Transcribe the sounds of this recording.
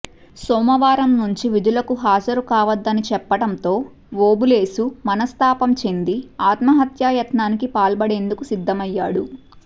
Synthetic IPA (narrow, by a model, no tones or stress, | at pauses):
sɔːmɐʋaːɾɐmnuɲt͡ʃiʋid̪ʱulɐkuɦaːd͡ʒɐɾukaːʋɐd̪ːɐnit͡ʃɛpːɐɽɐnt̪o̞ː | ʋoːbule̞ːsumɐnɐst̪aːpɐmt͡ʃe̞nd̪iaːt̪mɐɦɐt̪jaːjɐt̪naːnikipaːlbɐɽe̞ːnd̪ukusid̪ʱːɐmɐjːaːɽu